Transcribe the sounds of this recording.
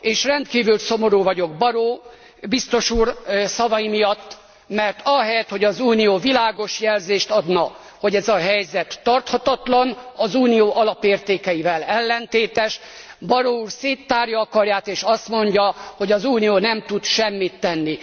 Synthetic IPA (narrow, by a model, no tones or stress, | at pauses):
eːʃrɛnt̪kiːvylso̞mo̞ɾuːvɒɟo̞ɡ̚bɒɾoː | bist̪o̞ʃuːrsɒvɒjimijɒt̪ː | mɛrt̪ʰɒɦɛjɛt̪ho̞ɟɒzuːnijoːvilaːɡo̞ʃjɛlzeːʃt̪ɒd̪nɒ | ho̞ɟɛzɒɦɛjzɛt̪ːɒrt̪hɒt̪ɒt̪lɒnɒzuːnijoːʔɒlɒpeːrt̪eːkɛjivɛlɛlːɛnt̪eːt̪ɛʃbɒɾouːrseːt̪ːaːrjɒɒkɒrjaːt̪eːʃɒst̪mo̞ɲɟɒho̞ɟɒzuːnijoːnɛmt̪ut̪ʃɛmːit̪ːɛnːi